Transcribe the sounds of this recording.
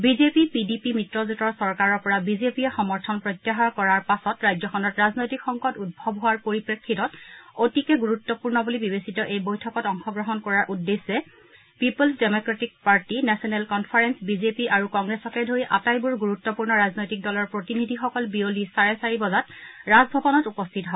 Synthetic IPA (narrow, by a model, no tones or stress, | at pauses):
bizepipidipimitɹɔzutɔɹsɔɹkaɹɔɹpɔɹabizepiɛxɔmɔɹtʰɔnpɹɔjtːjaɦɔɹkɔɹaɹpasɔtɹajzɔxʰɔnɔtɹaznojtikxɔŋkɔtud̚bʱɔbɦʊaɹpoɹipɹekʰːitɔtotikɛɡuɹutːɔpuɹnɔbulibibesitɔʔejbojtʰɔkɔtɔŋxɔɡɹɔɦɔnkɔɹaɹʔudːesːɛ | pipulsdemokɹetik̚paɹtinɛsɔnɛlkɔnpʰaɹensbizepiʔaɹukɔŋɡɹɛsɔkɛdʱoɹiʔa̰tajbuɹɡuɹutːɔpuɹnɔɹaznojtik̚dɔlɔɹpɹotinidʱixɔkɔlbiolisaɹɛsaɹibɔzatɹazbʱɔbɔnɔtupɔstʰitɔɦɔɔ